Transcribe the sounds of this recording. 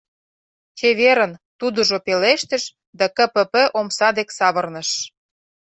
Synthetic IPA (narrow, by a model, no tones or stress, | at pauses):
t͡ɕeβeɾə̆nt̪ud̪ə̆ʒopeleʃt̪ə̆ʃ | d̪ækə̆pə̆pəʔomsɑd̪eksɑβərnə̆ʃ